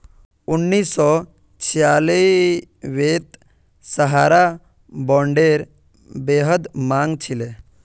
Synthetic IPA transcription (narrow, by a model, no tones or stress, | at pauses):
unːiːsːɔ | t͡ʃʰijaːli | ʋeːt̪ | səɦaːɾa | bɔːɳɖeːɾ | beːɦəd̪mãŋɡt͡ʃʰile